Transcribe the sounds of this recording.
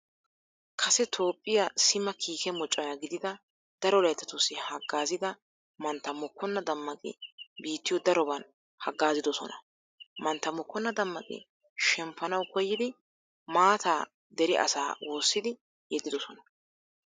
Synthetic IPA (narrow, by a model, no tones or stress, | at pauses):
kʰɐsɛt̪ʰo̞ːpʼːɪjasɪmɐkʰiːkɛmɔt͡ʃʼːɐjaɡɪd̪ɪd̪ɐ | d̪̥ɐɾɔlɐjt̪ːɐt̪ʊsːɪhɐɡːaːzɪd̪ɐ | mɐnt̪ːɐmːɔkːɔnːɐd̪ɐmːɐkʼɪ̰biːt̪ːɪjɔd̪ɐɾɔbɐn | hɐɡːaːzɪd̪ɔsɔ̰nɐ̰ | mɐnt̪ːɐmɔkːɔnːɐd̪ɐmːɐkʼɪ̰ | ʃɛmpːɐnɐwkɔjːɪd̪ɪ | maːt̪aː | d̪ɛɾɪʔɐ̰sa̰ːwʔo̞ːsːɪd̪ɪ | jɛd̪ɪd̪ɔsɔnɐ